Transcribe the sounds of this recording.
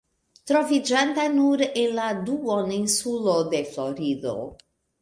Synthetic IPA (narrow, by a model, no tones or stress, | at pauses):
t̪ɾɔvid͡ʒant̪anuɾinlad̪uɔninsulod̪eflɔɾiðo̰